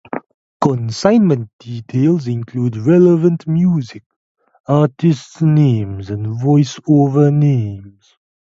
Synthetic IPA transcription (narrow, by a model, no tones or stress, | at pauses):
kɔ̃nsãɪ̃nmə̃nt̚d̥itʰelˠzɪ̃nkʰluːdɹɛləvə̃ntmjuːzɪk̚ | atɪstsnẽmzə̃ndvɔɪsovə˞nẽmz̥